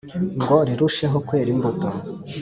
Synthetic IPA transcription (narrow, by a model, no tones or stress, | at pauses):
ŋɡo̞ɾiɾuʃe̞ɦo̞kwe̞ːɾimboto